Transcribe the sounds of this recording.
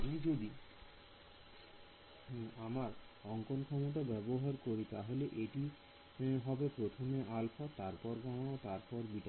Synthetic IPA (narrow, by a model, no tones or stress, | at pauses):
mid͡ʑod̪i | amaɾɔŋkonkʰɔmoʈ̬abɛboɦaɾkoɾit̪a̰ɦoleʔeʈi | ɦɔbepɾot̪ʰomeʔalfat̪aɾpɔɾɡañaot̪aɾpɔɾbiʈa